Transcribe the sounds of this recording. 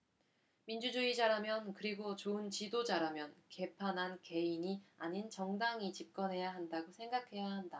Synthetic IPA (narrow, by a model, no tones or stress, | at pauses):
mind͡ʑud͡ʑuid͡ʑaɾamjʌnkɯɾiɡot͡ɕoɯnt͡ɕidod͡ʑaɾamjʌnke̞pʰanɦanke̞iɲiaɲint͡ɕʌŋdaŋit͡ɕip̚k͈ʌnɦe̞jaɦandaɡosʰe̞ŋɡakʰe̞jaɦanda